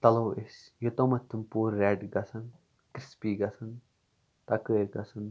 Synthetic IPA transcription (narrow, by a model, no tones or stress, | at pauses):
t̪ɐlowesjot̪omɐt̪ʰːɨmpuːɾːɛːɖɡɐsɐn | kɾispiːɡɐsɐn | t̪ɐkəːɾɡɐsɐn